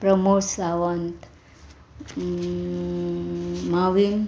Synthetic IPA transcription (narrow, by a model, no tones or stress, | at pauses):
pɾʌmusawʌnt̪ | mawin